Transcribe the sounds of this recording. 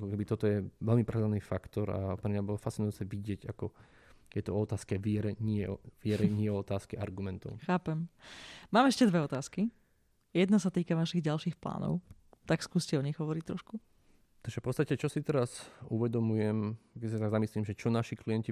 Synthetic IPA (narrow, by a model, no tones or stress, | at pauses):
akɔkɛbit̪ɔt̪ɔjɛʋɛlmipɾɛd̪anifakt̪ɔɾa̰pɾɛmɲabɔlɔfast͡sinʊjut͡sɛʋiɟɪɛɟakɔ | jɛt̪ɔɔɔt̪aːskɛʋɪɛɾɛɲɪɛɔʋɪɛɾɛɲɪɛɔɔt̪aːskɛʔaɾɡumɛnt̪ɔ̰ʊxaːpɛmmaːmɛʃcɛd̪ʋɛɔt̪aːski | jɛd̪nasat̪iːkaʋaʃiɣɟalʃiːxpla̰ːnɔ̰ʊt̪akskuːscɛɔɲiɣɦɔʋɔɾic̚t̪ɾɔʃku | t̪aʒɛfpɔtt͡sst̪acɛt͡ʃɔsit̪ɛɾasuʋɛd̪ɔmujɛmkɛsiat̪aɡzamislimʒɛt͡ʃɔnaʃikliɛnci